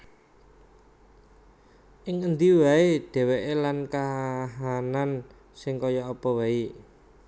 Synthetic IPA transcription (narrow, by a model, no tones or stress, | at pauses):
ʔɪŋənd̪iwaeɖ̥ɛ̤wɛʔelankaɦanan | sɪŋkɔjɔːpɔwai